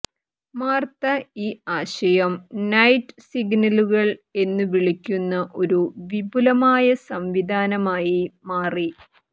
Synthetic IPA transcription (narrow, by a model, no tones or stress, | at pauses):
maːrt̪ɐiːaːɕɐjɐmnɐjʈːsiɡnɐluɣɐɭe̞nːɨʋiɭikʲːunːɐʔo̞ɾuʋibʱulɐmaːjɐsɐmʋid̪ʱaːnɐmaːjimaːri